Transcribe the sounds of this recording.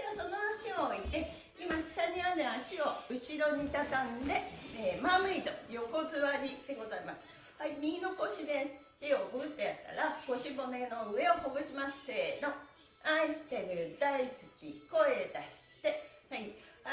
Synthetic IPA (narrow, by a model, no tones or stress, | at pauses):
easo̞no̞aɕioit̪ːe̞ | imaɕi̥k̪aɲiβane̞aɕio̞ɯ̟ɕiɾo̞ɲ̟it̪at̪ãnd̪e̞ːmamɯ̟it̪o̞jo̞ko̞zɨβaɾʲid̪e̞ɡo̞zaimasɨ̥ | haimʲino̞ko̞ɕid̪ẽsɨ̥t̪ejoboɡɯ̟t̪ːejat̪ːa̰ɾako̞ɕibo̞me̞no̞ɯ̟e̞o̞hoɡɯ̟ɕimase̞ːno̞ | aiɕi̥t̪e̞mɯ̟d̪aisɨ̥kʲiko̞e̞d̪aɕi̥t̪e̞ | hai